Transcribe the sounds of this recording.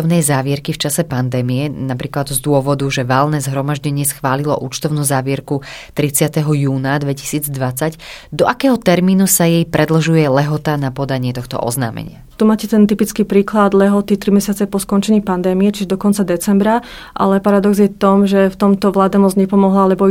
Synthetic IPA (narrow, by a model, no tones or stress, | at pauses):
ɔʊnɛjzaːʋɪɛɾkift͡ʃasɛpand̪ɛːmijɛnapɾiːklad̪zd̪ʊɔʋɔd̪uʒɛʋalnɛzɦɾɔmaʒɟɛɲɪɛsxʋaːlilɔʔṵːt͡ʃt̪ɔʊnuːzaːʋɪɛɾkut̪ɾit͡sɪat̪ɛɦɔjuːnad̪ʋɛci̥siːd͡zd̪ʋat͡sacd̪ɔʔakɛːɦɔt̪ɛɾmiːnusajɛjpɾʔɛd̪l̩ʒujɛlɛɦɔt̪anapɔd̪aɲɪɛt̪ɔxt̪ɔ̰ʔɔ̰zna̰ːmɛ̰ɲɪa̰t̪umaːcɛt̪ɛnt̪ipit͡skiːpɾiːklad̪lɛɦɔt̪it̪ɾimɛsɪat͡sɛpɔskɔnt͡ʃɛɲiːpand̪ɛːmijɛt͡ʃiʒɛd̪ɔkɔnt͡sad̪ɛt͡sɛmbɾa | ʔa̰lɛpaɾad̪ɔɡzɲɛft̪ɔmʒɛft̪ɔmt̪ɔʋlaːd̪amɔzɲɛpɔmɔɦlaalɛbɔ